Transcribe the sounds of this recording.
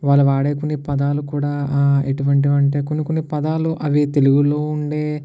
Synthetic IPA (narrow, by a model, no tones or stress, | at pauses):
ʋaːlːuʋaːɽeːkunːipɐd̪aːlukuːɽaːeʈuʋɐɳʈ̬iɐɳʈeːkunukunːipɐd̪aːluʔɐʋit̪e̞luɡulo̞ːuɳɖeː